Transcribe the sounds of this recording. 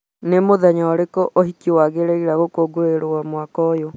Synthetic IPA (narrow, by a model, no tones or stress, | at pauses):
nemoðaɲaːɾekɔʔoɦikiwaɣeɾeiɾaɣokoɡoeɾowamwakɔjo